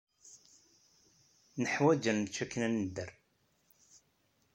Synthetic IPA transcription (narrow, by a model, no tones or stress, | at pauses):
nəħwæd͡ʒənmt͡ʃːækːnænəd̪ːəɾ